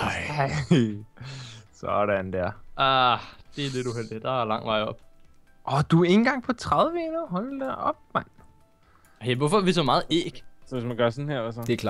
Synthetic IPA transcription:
sɒɾænd̥æɐ̰ʔɑd̥e̝æle̝d̥uɦel̰d̥id̥ɑ̈ælɑ̈ŋ̰ʋɑ̈ɪ̰ɒ̽b̥̚ | ʔɒd̥ue̝nn̩ɡ̥ɑ̈ŋ̰pʰɒ̽t͡sʰʁɑðˠʋəenuɦɒld̥æʔɒb̥̚man | heʋɔfɒæʋisɒmɑ̈ːð̩ˠḛːɡ̥sɒʋe̝smænɡ̥ɶɐ̰sɔnheɐʋæsɒd̥ekʰlɑ̰

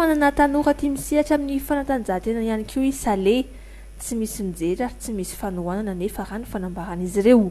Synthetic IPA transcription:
ananat̪anukət̪imisiaʈ͡ʂaminifanat̪and͡zat̪enanianikʰiwisale | t͡simisimid͡zeɾaɾit͡simisi̥fanuananənefaɾanifanambaɾanizirew

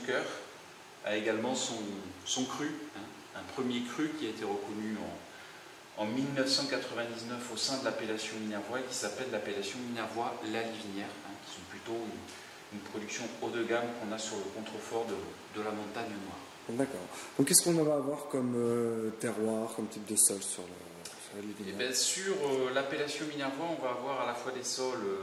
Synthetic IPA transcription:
kœʁ | a̰eɡalmɑ̃sɔ̃sɔ̃kχyɛ̃ | ɛ̃pχəmjekχykʲiaet̪eʁəkɔnyɑ̃ | ɑ̃milnəfsɑ̃kat̪χəvɛ̃d̪iznœfosɛ̃d̪əlapelasjɔ̃minɛʁvwaekʲi̥sapɛlːapelasjɔ̃minɛʁvwalalivinjɛʁɛ̃kʲi̥sɔ̃plyt̪oy | ynpχɔd̪yksjɔ̃od̪əɡamkɔ̃nasyʁləkɔ̃t̪χəfɔʁd̪ə | d̪əlamɔ̃t̪aɲənwaːʁ | d̪akɔ̰ːʁd̪ɔ̃kːɛskɔ̃nɑ̃vaːvwaʁkɔmøt̪ɛʁwaʁkɔmt̪ip̚d̪əsɔlsyʁlə | syʁlalivinɛbɛsyʁølapelasjɔ̃minɛʁvwaɔ̃vaːvwaʁalafwad̪esɔlø

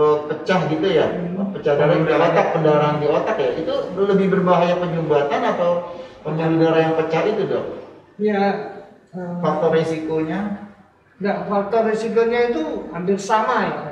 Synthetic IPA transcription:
ɾot̪̚pət͡ʃahɡit̪ujapət͡ʃadaɾanalat̪at̪̚pkəndaɾaandialat̪ak̪jait̪uləbɪhbərbaɦajapəɲd͡ʒumbat̪anat̪awpəɲd͡ʒuɾidaɾajaŋpət͡ʃait̪udɔhja | əfak̚t̪ɔresikoɲa | dafak̚t̪ɔrresikoɲait̪uadɪrsamaja

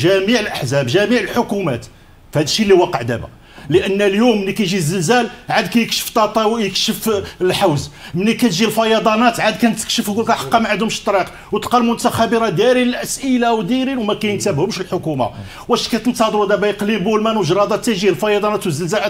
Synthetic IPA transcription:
ʒæmiʕəlʔəħzæbʒæmiʕəlħokumæ̰t̪ | fhæd̪əʃːilːiwɑqəʕd̪æ̰bæ̰ | ləʔənːljumːənːikæjʒizːəlzælʕad̪kæjəkʃə̥ft̪ˤːɑt̪ˤːɑwjəkʃəfəlħawzmənːikæt̪ʒilfɑjɑd̪ˤɑnɑt̪ʕad̪kænt̪ːə̥kʃəfɡukæħɑ̥qːɑmaʕəd̪hʊmʃt̪ˤːɾiq | wt̪qɑlmʊnt̪æxæbəɾɑd̪jæɾiləlʔəsʔəlawd̪iɾinwmækæjnəkt̪æbhʊmʃəlħʊkuma̰ | wʔæʃkæt̪ənt̪ˤɑd̪ˤwæd̪æbæjqlimbulmænwəʒɾˤɑd̪ˤɑt̪ːæjʒilfɑjɑd̪ˤɑnæt̪wəzːəlzælæ

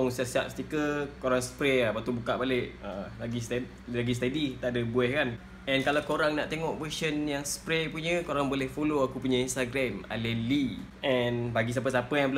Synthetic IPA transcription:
ɔŋsiaʔsiap̚st̪ikəkoɾaŋsə̥pɾɛbat̪ubukaʔbaleʔəlaɡist̪ | laɡis̬t̪edit̪aʔdəbuɛhkan | ɛnkalawkoɾaŋnaʔt̪eŋɔʔvəsənjaŋspɾɛpuɲə̃koɾaŋbolɛhfoloakupuɲə̃inst̪aɡɾɛma̰lɛli | ʔɛnbaɡis̬ap̬əs̬apəjaŋbəl

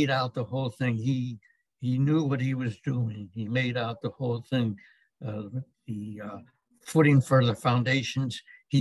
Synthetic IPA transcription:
ɪɾaʊt̪̚ðəhoʊlˠθɪ̃ŋi | injuwʌt̚hiwʌzduɪ̃ŋimeɪɾaʊt̪̚ðəhoʊlˠθɪ̃ŋ | ðɨ | fʊɾɪ̃ŋfə˞ðə˞fãʊ̃ndeɪʃɨ̃n̩z̥i

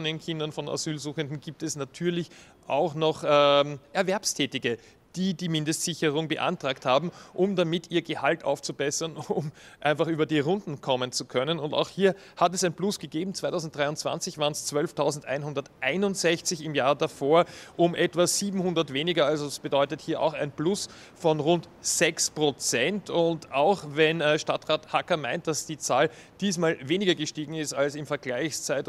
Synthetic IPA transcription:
ndenkʰɪndɐnfɔna̰zyːlzuːxəndn̩ɡiːp̚tɛsnatʰyːɐlɪç | ʔaʊxnɔχɛːmʔɛɐvɛɐpstʰɛːtɪɡə | d̥iːdiːmɪ̃ndəstz̥ɪçəʁʊŋbəʔa̰ntʁ̥aːkthaːbm̩ʔʊmdamɪtʰiːɐɡəhaltʔa̰ʊft͡subɛsɐnʊm | ʔãɪnfaχʔyːbɐdiːʁʊndn̩kʰɔmənt͡sukʰœnənʊnta̰ʊxhiːɐ | hatɛsæɪnplʊsɡ̥əɡeːbm̩t͡sv̥aɪtʰaʊzn̩td̥ʁaɪʊnt͡sv̥a̰nt͡sɪçv̥aːɐənst͡svœlftʰaʊzn̩tʔa̰ɪnhʊndɐtʔaɪnʊntz̥ɛçt͡sɪçɪmjaːdafoːɐʔʊmʔɛtv̥az̥iːbm̩hʊ̃ndɐtveːnɪɡɐalzoasb̥ədɔʏtəthiːɐʔa̰ʊxæ̰ɪnplʊs | fɔnʁʊntz̥ɛkspʁ̥ot͡sɛntʊntaʊxvɛnɛʃtatʁaːthakɐma̰ɪnt̚d̥asd̥iːt͡saːl | d̥iːsmaːlveːnɪɡɐɡəʃtiːɡŋ̩ɪstalsɪmfɛɐɡlaɪçst͡saɪt

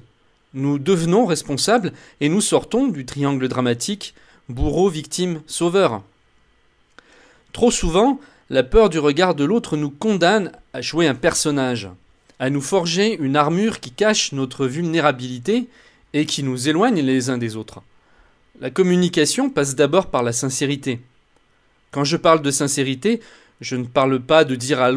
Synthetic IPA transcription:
nud̪əvnɔ̃ʁɛspɔ̃sabl | enusɔʁt̪ɔ̃d̪yt̪χiɑ̃ɡləd̪ʁamat̪ʰik | buʁovik̚t̪imsovœʁ | t̪χosuvɑ̃ | lapœʁd̪yʁəɡaʁd̪əlot̪χnukɔ̃d̪anaʃweɛ̃pɛʁsɔnaʒ | anufɔʁʒeynaʁmyʁkʲikaʃnɔt̪χəvylneʁabilit̪eː | kʲinuzelwaɲlezɛ̃d̪ezot̪χ | lakɔmynikasjɔ̃pas̬d̪abɔʁpaʁlasɛ̃seʁit̪e | kɑ̃ʒəpaʁld̪əsɛ̃seʁit̪e | ʒənəpaʁlpad̪əd̪iʁa

